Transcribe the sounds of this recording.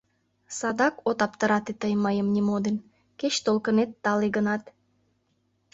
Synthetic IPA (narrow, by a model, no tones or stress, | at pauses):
sɑd̪ɑkot̪ɑpt̪əɾɑt̪et̪əjməjəmnʲimod̪en | ket͡ɕt̪olkənet̪ːɑleɡənɑt̪